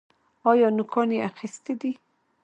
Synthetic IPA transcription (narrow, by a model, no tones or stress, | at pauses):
ɑjɑnʊkʰɑneaxist̪ed̪i